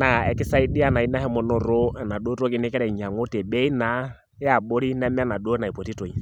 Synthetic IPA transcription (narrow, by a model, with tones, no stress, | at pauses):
na˨ɛ˨kɪ˦sa˦i˦dɪ˦a˦na˨i˦na˦hɛ˦mɔ˨nɔ˨ɾo˦ɛ˨na˨ɗo˦ɾo˦k̬ɪ˦nɪ˦kɛ˦ɾɛ˨ɲa˨ŋo˦te˨ɓe˦i˦na˨˦ | a˨ɓo˦ɾi˦nɛ˦mɛ˦a˦na˨do˦na˨i˨po˨ti˦to˨i˨